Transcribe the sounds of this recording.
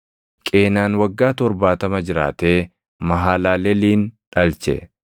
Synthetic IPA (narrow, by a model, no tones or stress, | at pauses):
kʼeːnaːnwɐɡːaːt̪ɔɾbaːt̪ɐmɐd͡ʒɪɾa̰ːt̪eː | mɐɦaːlaːlɛliːnᶑɐlt͡ʃɛ̰